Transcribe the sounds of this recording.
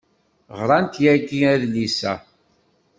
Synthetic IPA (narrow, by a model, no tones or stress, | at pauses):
ʁɾˤɑnt̪jæɡiæðlisæ̰